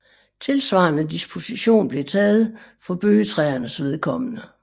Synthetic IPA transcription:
t͡sʰe̝lsʋɑ̈ːnəd̥isb̥ʰo̝siɕo̝̰ːnb̥le̝t͡sʰɛːð̞̩ˠfɒ̽b̥øːət͡sʰʁɛːɐnəsʋe̝ð̞ˠkʰɒ̽mənə

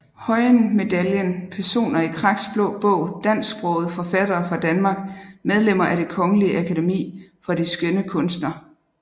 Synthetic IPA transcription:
hɒ̽ɪnme̝d̥æljənpʰæɐso̝̰ːnɐikʰʁɑ̈ɡ̥sb̥lɔ̽ʊb̥ɔʊd̥æn̰sɡb̥ʁɔʊð̩ˠfɒ̽fæd̥ɐːfʁɑ̈d̥ænmɑ̈ːɡ̥̚með̞ˠlem̰ɐʔæɾ̥e̝kʰɒ̽ŋəliəʔækʰæde̝mḭːfɒ̽d̥isɡ̥ønəkʰɔ̽nsd̥nɐ

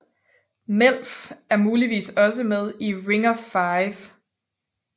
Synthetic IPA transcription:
mel̰fæɐmuːliʋḭːsɒ̽s̬əmeð̞ˠiʁeŋɐfɑɪf

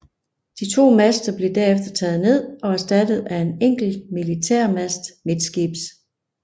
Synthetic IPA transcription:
d̥it͡sʰo̝̰ːmæsd̥ɐb̥le̝d̥æɐefd̥ɐt͡sʰɛːð̞̩ˠne̝ð̞̰ˠɒ̽æɐsd̥æd̥əð̩ˠæe̝neŋ̰ɡ̥l̩d̥milit͡sʰæ̰ɐ̰mæsd̥me̝d̥sɡ̥ib̥s

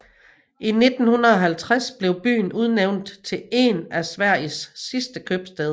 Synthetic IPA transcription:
ʔine̝d̥n̩hunɐɒ̽ɦælt͡sʰʁasb̥le̝ʊb̥y̰ːn̩uð̞ˠneʊ̰nd̥t͡sʰe̝le̝næsʋæɐ̰isːisd̥əkʰøb̥sd̥eð̞ˠ

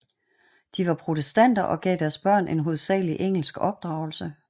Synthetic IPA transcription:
d̥iʋɑ̈pʰʁo̝t͡sʰesd̥æn̰d̥ɐʔɒ̽ɡ̥ɛ̰ːd̥æɐsb̥ɶɐ̰nʔe̝nɦo̝ð̞ˠsɛ̰ːliʔeŋ̰l̩sɡ̥ɒ̽b̥̚d̥ʁɑ̈ʊl̩sə

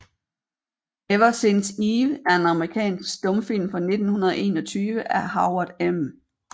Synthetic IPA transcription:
eʋɐsensiːʋæɐe̝nɑ̈məʁikʰɛ̰ːnsɡ̥sd̥ɔ̽mfil̰mfɒ̽ne̝d̥n̩hunɐð̞ˠʔe̝̰ːnɒ̽t͡sʰyːʋəʔæhɑ̈ʊɐd̥em

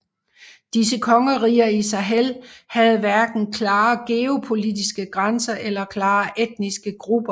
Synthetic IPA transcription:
d̥is̬əkʰɒ̽ŋəʁḭːɐisɑ̈ɦelhæð̞̩ˠʋæɐɡ̥n̩kʰlɑ̈ːɡ̥e̝o̝pʰo̝lidisɡ̥əɡ̥ʁansɐʔelɐkʰlɑ̈ːʔed̥̚nisɡ̥əɡ̥ʁub̥ɐ

